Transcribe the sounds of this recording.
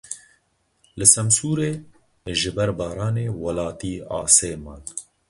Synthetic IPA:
lɨsɛmsuːɾeː | ʒɪbɛɾbɑːɾɑːneːwɐlɑːt̪iːɑ̰ːseːmɑːl

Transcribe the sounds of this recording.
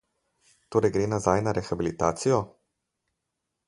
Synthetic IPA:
t̪oːɾɛjɡɾeːnazajnaɾɛxabilit̪aːt̪sijɔ

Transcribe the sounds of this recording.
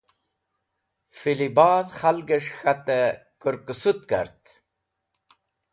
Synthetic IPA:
filibɑːðχalɡəʂxat̪əkəɾkəsut̪̚ka̰ɾt̪

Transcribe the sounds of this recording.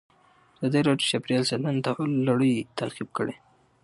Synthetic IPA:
azɑd̪aɾɑʈoʃapɾijɑlsanant̪alːaɽəjt̪ʰaqib̚kəɽe

